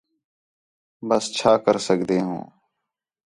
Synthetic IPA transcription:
bəst͡ʃʰaːkəɾsəkd̪eːɦṵ̃ː

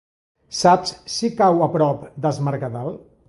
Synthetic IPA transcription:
sapssikawəpɾɔpd̪əzməɾkaðal

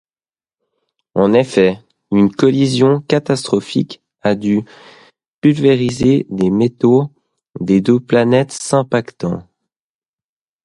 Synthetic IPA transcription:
ɑ̃nefɛ | ynkɔlizjɔ̃kat̪ast̪χɔfḭk | ad̪y | pylveʁized̪emet̪o | d̪ed̪øplanɛt̪sɛ̃pakt̪ɑ̰̃

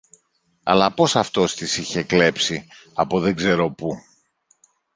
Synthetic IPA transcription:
ɐ̰lɐpo̞sɐft̪o̞st̪isiçe̞kle̞psi | ɐpoðeɡze̞ɾo̞pu

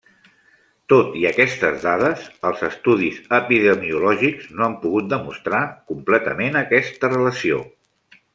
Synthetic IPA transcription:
t̪ot̪iəkɛst̪əzðaðəzəlˠzəst̪uðizəpiðəmiulɔʒikznoampuɣut̪̚d̪əmust̪ɾakumplɛt̪əmenəkɛst̪ərələsio̰

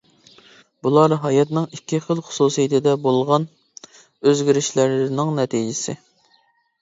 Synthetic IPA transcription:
bulˠɑɾɦɑjɛt̪nɨŋikʲːiχəlˠχʊ̥susijit̪ʰɪd̪ɛbolˠʁɑn | øzɡʲiɾɪʃlɪɾnɪŋnɛt̪ʰid͡ʒɪsɪ

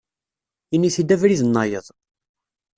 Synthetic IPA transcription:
inːiθid̪ævɾiðənːɑjə̰ðˤ

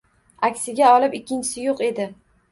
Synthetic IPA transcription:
akʲsɪɡʲaɒlɪpɪkʲːɪnt͡ʃʰɪ̥sɪjoqe̞d̪ɪ

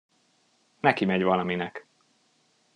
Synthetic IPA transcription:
nɛkimɛɟvɒlɒminɛk

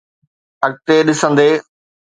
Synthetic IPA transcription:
ɐk̚t̪eɗɪsə̃nd̪eː

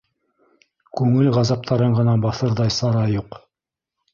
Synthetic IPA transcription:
kʉŋɘlʁɑzɑp̚t̪ʰɑɾɤɴʁɤ̆nɑbɑθɤɾðɑjsɑɾɑjuq

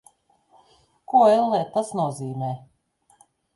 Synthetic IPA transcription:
kuilˠnɛːt̪asnuɔziːmɛː

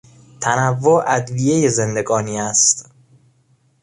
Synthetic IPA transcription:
t̪ʰænævːoʔæd̪vije̞jezend̪e̞ɡɒːniːæst̪

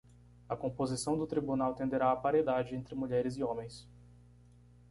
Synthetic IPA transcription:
ɐkõpozisɐ̃w̃d̪ʊt̪ɾibunawt̪ẽnd̪eɾaɐpaɾed̪ad͡ʒɪẽnt̪ɾɪmuʎɛɾɪzɪõmẽj̃s

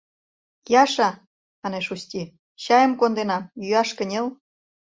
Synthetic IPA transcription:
jɑʃɑ | ɑneʃust̪ʲi | ɕɑjə̆mkond̪enɑmjyɑʃkə̆nʲel

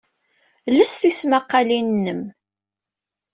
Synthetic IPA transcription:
ləsθismaqːɑlinːəm

